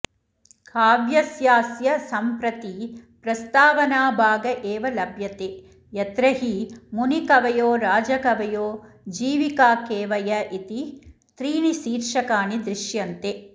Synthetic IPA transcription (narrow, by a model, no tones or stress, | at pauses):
kʰaːʋjɐsjaːsjɐsɐmpɾɐt̪ipɾɐst̪aːʋɐnaːbʱaːɡɐʔeːʋɐlɐbʱjɐt̪eː | jɐt̪ɾɐɦimunikɐʋɐjoːɾaːd͡ʒɐkɐʋɐjoːd͡ʒiːʋikaːkeːʋɐjɐʔit̪i | t̪ɾiːɳisiːɾʂɐkaːnid̪ɾɪʃjɐnt̪e